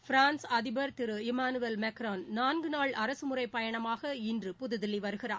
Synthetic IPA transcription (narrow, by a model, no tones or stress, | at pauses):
fɾaːnsɐðɪbɐɾt̪ɪɾɯɪmaːnɯʋelmɛkɾaːnnaːnɡɯnaːɭʔɐɾɐsɯmʊrɐɪpːɐjɐɳɐmaːɣɐɪndrɯpʊðɯðɪliʋɐɾɯɣɪraː